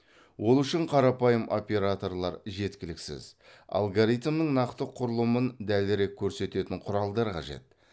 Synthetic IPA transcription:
wʔo̞lˠʏʃɪɴqʰɑɾɑpɑjəmo̞̰pʲe̞ɾat̪o̞rlˠɑɾʒe̞t̪kʲɪlɪksɪ̰zɑ̰lˠɡoɾit̪mnəŋnɑqt̪əqʰʊɾlˠəmənd̪ælɪɾe̞kʲʰːɵɾse̞t̪e̞t̪ɪɴqʰʊɾɑlˠd̪ɑɾqʰɑ̰ʒe̞̰t̪̚

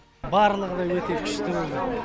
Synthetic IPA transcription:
bɑɾlˠəʁəd̪ɑjwet̪ekʲʰʏ̥ʃt̪ɪwd̪

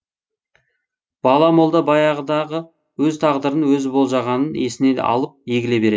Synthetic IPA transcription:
b̥ɑlˠɑmolˠd̪ɑbɑjɑʁəd̪ɑʁə | wɵzt̪ʰɑʁd̪əɾənwɵzɪbo̞lˠʒɑʁɑnəne̞sɪne̞d̪ḛʔɑ̰lˠəp̚je̞ɡʲɪle̞be̞ɾe

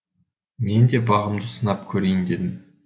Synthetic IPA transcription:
me̞nd̪e̞bɑʁəmd̪əsənɑpkʲʰɵɾe̞jɪnd̪e̞d̪ɪm

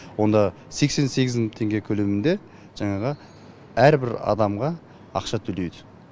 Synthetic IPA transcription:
wo̞nd̪ɑ | se̞kse̞nse̞ɡʲɪzt̪ʰe̞ŋɡʲe̞kʲʰɵle̞mɪnd̪e̞ | ʒ̥ɑɴɑʁə | æɾbɪɾɑ̰d̪ɑmʁɑ | ɑ̰qʃɑt̪ʰɵled̪ɪ

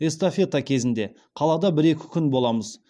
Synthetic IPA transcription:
e̞st̪ofʲe̞t̪akʲʰe̞zɪnd̪e̞ | qʰɑlˠɑd̪ɑbɪɾe̞kʲʰɪ̥kʲʰʏnbo̞lˠɑməz̥

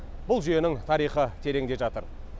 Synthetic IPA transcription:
bʊlˠʒyje̞nɪŋt̪ʰɑɾijχət̪ʰe̞ɾe̞ŋd̪e̞ʒɑt̪əɾ

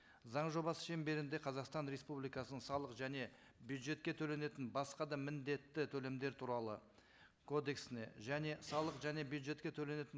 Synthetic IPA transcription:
zɑɴʒo̞bɑsə̥ʃe̞mbe̞ɾɪnd̪e̞qʰɑzɑqst̪ɑnɾe̞spublijkɑsənəɴsɑlˠəqʒæne̞ | bjud̪ʒe̞t̪̚kʲe̞t̪ʰɵle̞ne̞t̪ɪnbɑsqɑd̪ɑmɪnd̪e̞t̪ːɪt̪ʰɵle̞md̪e̞ɾt̪ʰuɾɑlˠə̰ | kʰo̞d̪e̞ksɪne̞̰ʒæne̞sɑlˠəqʒæne̞bjud̪ʒe̞t̪kʲe̞t̪ʰɵle̞ne̞t̪ɪn

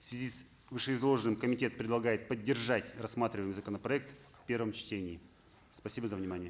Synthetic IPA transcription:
fsvʲɪzʲis | vɨʂɨɪzlˠo̞ʐɨnɨmkəmʲɪtʲe̞t̪̚pɾʲɪd̪lˠɐɡajɪt̪̚pədʲːɪrʐatʲrɐsːmat̪ɾʲɪvəjmɨjzəkənəpɾɐɛk̚t̪fʲpʲe̞rvəmt͡ɕtʲenʲɪː | spɐsʲibəzəvnʲɪmanʲɪjə

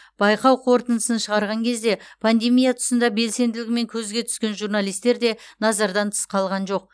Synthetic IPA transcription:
b̥ɑjqɑwqʰo̞ɾt̪ənəsənʃəʁɑɾʁɑŋkʲʰe̞zd̪e̞pʰand̪e̞mijat̪ʰʊ̥sənd̪ɑbe̞lse̞nd̪ɪlɪɡʲɪme̞ŋkʲʰɵzɡʲe̞t̪ʰʏ̥skʲe̞nʒurnalˠijst̪e̞ɾd̪e̞nɑzɑɾd̪ɑnt̪ʰə̥sqɑlˠʁɑnʒo̞q̚

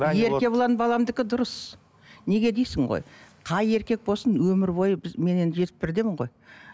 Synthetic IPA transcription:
e̞ɾʲe̞bolˠɑnbɑlˠɑmd̪ɪkʲɪd̪ʊɾəs | ne̞ɡʲe̞d̪ejsɪŋʁo̰jqʰɑje̞ɾkʲe̞k̚bo̞lˠsənwɵmɪɾbo̞jəbɪzme̞ne̞nd̪ɪʒe̞t̪ɪ̥p̚bɪɾd̪e̞mɪɴʁo̞j

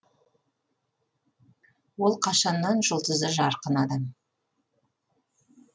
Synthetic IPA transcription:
wo̞lˠqʰɑʃɑnːɑnʒʊlˠd̪əzəʒɑɾqənɑd̪ɑm

